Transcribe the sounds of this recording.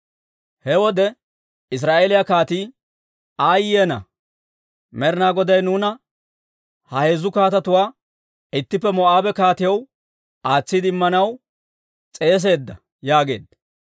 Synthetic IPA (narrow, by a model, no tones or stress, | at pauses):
hɛwɔd̪ɛ | ɪs̬ɾaːʔelɪjakaːt̪iː | aːjɪjeːnɐ̰ | mɛɾnaːɡɔd̪ɐjnuːnɐ | hɐhe̞ːzʊkaːt̪ɐt̪ʊwaː | ɪt̪ːɪpːɛmɔʔaːbɛkaːt̪ɪjɐw | aːt͡sːɪd̪ɪmːɐnɐw | t͡sʼe̞ːs̬e̞ːd̪ːɐ̰ | jaːɡe̞̰ːd̪